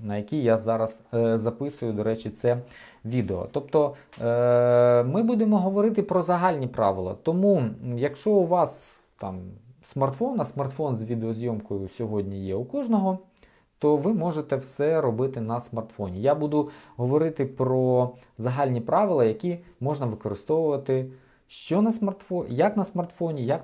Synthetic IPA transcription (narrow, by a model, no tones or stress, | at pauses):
nɐjɐkʲijazɑɾɐszɐpɪsʊjʊd̪ɔɾɛt͡ʃit̪sɛ | ʋʲid̪eɔ̰t̪ɔp̚t̪ɔ | mɪbud̪emɔɦɔʋɔɾɪt̪ɪpɾɔzɐɦɑlʲnʲipɾɑ̰ʋɪlˠɐ̰t̪ɔmujɐkʃt͡ʃɔʊʋɑs | t̪ɑ̰msmɐrt̪fɔnɐsmɐrt̪fɔnzʋʲid̪eɔzʲjɔmkɔjʊsʲɔɦɔdʲnʲijɛukɔʒnɔɦɔ | t̪ɔʋɪmɔʒet̪ɛwsɛɾɔbɪt̪ɪnɐsmɐrt̪fɔ̰nʲijabud̪ʊɦɔʋɔɾɪt̪ɪpɾɔ | zɐɦɑlʲnʲipɾɑʋɪlˠɐjɐkʲimɔʒnɐʋɪkɔɾɪst̪ɔʋʊʋɐt̪ɪ | ʃt͡ʃɔnɐsmɐrt̪fɔjɐknɐsmɐrt̪fɔnʲijɐk